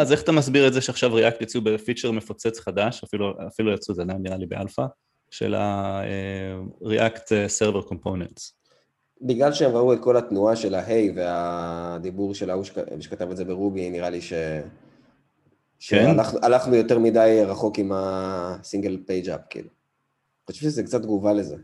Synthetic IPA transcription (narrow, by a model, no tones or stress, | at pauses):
aze̞χatamas̬biʁetzeʃeaχʃavʁiʔakt̪jat͡siubefit͡ʃeʁme̞fot͡set͡sχadaʃafiluafilujat͡suzananiʁalibeʔalfa | ʃḛla̰eʁiʔakt̪eseʁveʁko̞mponents | biɡlalʃeemʁauet̚ko̞lat̪nuaʃe̞laɦejvead̪ibuʁʃelauʃe̥ʃekatavetzebeʁubiniʁaliʃe̞ | ʃeaaχnuʔalaχnujo̞t̪eʁmidajʁaχo̞kimasiŋɡelpejd͡ʒa̰p̚kḭlu | χaʃuviʃezekt͡sat̚ɡuvale̞ze